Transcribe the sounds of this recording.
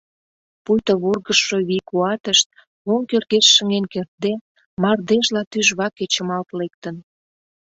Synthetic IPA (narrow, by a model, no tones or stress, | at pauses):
pujt̪oβurɣəʃːoβikuɑt̪əʃt̪̚ | oŋkørɣeʃːə̆ŋenkert̪̚d̪e | mɑrd̪eʒlɑt̪yʒβɑket͡ɕə̆mɑlt̪lek̚t̪ən